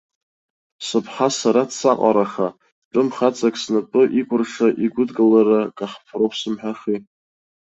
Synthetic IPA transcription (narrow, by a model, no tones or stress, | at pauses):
sɨpʰħasaɾatsaqʼa̰ɾaχa | ʈ͡ʂʼɨmχat͡sʼakʼsnapʼɨʔikʷʼʊrʂaʔiɡʷʊdɡʼɨlaɾakʼaχpʰropʰsɨmħᶣaχi